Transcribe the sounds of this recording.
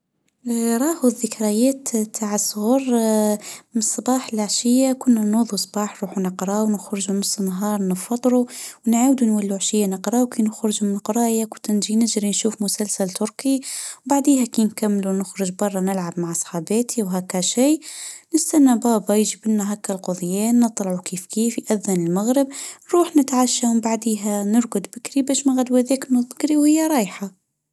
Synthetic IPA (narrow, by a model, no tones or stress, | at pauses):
ɾˤɑːhuðːəkɾajɛːt̪t̪ʰːaʕəsˤːʊɣuːɾ | mnsˤːɑbɑːħəlʕʃɪjːakʊnːænuːðˤusˤbɑːħnɾˤuːħunəqɾˤɑwnəxɾʊʒunʊsˤːnɦɑːɾˤnəfɑt̪ˤːɾuwnʕaːwd̪unwalːuʕaʃɪjːanəqɾˤɑwkinəxɾʊʒmnəqɾˤɑːjakʊt̪nʒinɪʒɾinʃuːfmʊsalsalt̪ʊɾkiwbaʕd̪iːhækinkamːlunʊxɾʊʒbɑrˤːɑnɪlʕabmaʕɑsˤħɑːbeːt̪ʰiwɦækːæʃiːnɪst̪anːabɑːbɑjʒibɪnːæɦækːælqʊðˤjɛːnːɨt̪ˤlɑʕukiːfkʰiːfjʔæðːanɪlmaɣɾɪbnɾuːħnɪt̪ʕaʃːambaʕd̪iːɦænʊɾɡʊd̪bɪkɾibæːʃmæɣad̪wæðɛːknːuðˤbɪkɾiwhɪjːaɾˤɑːjħa